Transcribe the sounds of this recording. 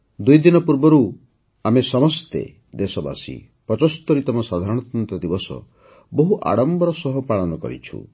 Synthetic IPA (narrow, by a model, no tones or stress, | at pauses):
d̪ujd̪inɔpuɾbɔɾu | amesɔmɔst̪ḛ | d̪esɔba̰sḭ | pɾɔt͡ʃɔst̪ɔɾit̪ɔmɔsad̪ʱaɾɔɽ̃ɔt̪ɔnt̪ɔd̪ibɔsɔ̰ | boɦuʔa̰ɽɔmbɔɾɔsɔɦɔpɾaɭɔnɔkɔ̰ɾḭt͡ʃʰṵ